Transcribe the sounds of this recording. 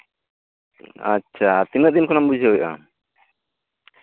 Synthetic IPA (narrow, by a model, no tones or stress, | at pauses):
aːt͡ʃʰat̪inət̪̚d̪inkɔnambud͡ʒʱəwɛʔa̰